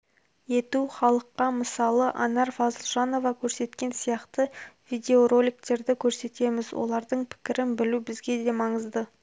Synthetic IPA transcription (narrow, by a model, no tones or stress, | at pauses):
je̞t̪uχɑlˠəqːɑməsɑlˠəʔɑnɑɾfɑzəlˠʒɑno̞vɑkʲʰɵɾse̞t̪kʲe̞nsijɑqt̪əvijd̪ʲe̞oɾo̞lʲikt̪e̞ɾd̪ɪkʲʰɵɾse̞t̪e̞mɪzwʔo̞̰lˠɑɾd̪əɴpʰɪ̥kʲɪɾɪnbɪlubɪzɡʲe̞d̪e̞mɑɴəzd̪ə